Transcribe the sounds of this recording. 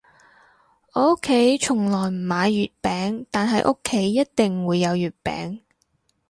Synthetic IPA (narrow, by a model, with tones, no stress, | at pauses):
ʔo˥kʰːe˨˥jt͡ʃʰʊ˨˩ŋlɔː˨˩jm̩ː˨˩maː˨˧jːyː˨t̚pɛː˨˥ŋt̪aː˨nɦɐ˨jʔʊ˥kʰːe˨˥jːɐ˥t̚t̪ɪ˨ŋwuː˨˧jːɐ˨˧wjyː˨t̚pɛ̰ː˨˥ŋ